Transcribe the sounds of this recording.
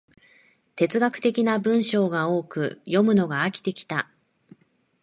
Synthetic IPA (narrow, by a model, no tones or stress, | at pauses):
t̪e̞t͡sɨɡakɯ̥t̪e̞kʲinabɯ̟̃ɰ̃ɕo̞ːɡao̞ːkɯ̟jo̞mɯ̟no̞ɡaːkʲi̥t̪e̞kʲi̥t̪a